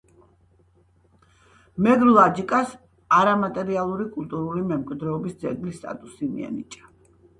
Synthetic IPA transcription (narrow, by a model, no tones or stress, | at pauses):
mɛɡɾlˠad͡ʒikʼas | aɾamat̪ʼɛɾialˠuɾikʼult̪ʼuɾulimɛmkʼwid̪ɾɛɔbisd̪zɛ̰ɡlist̪ʼa̰t̪ʼusimḭɛ̰nḭt͡ʃʼḁ